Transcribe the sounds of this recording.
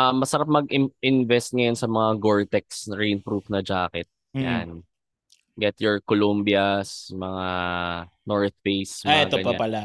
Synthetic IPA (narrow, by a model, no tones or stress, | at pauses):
ʔɐmːɐsɐɾap̬̚mɐɡɪʔɪnvɛst̪̚ŋɐjonsɐmɐŋaɡoɹt̪ɛk̚sɹejnpɾufnɐd͡ʒaːkɛt̪̚ja̰n | ɡɛt̪jɔɹkolombjɐsmɐŋa | nɔɹt̪̚bejsmaɛat̪oɐpɐpɐla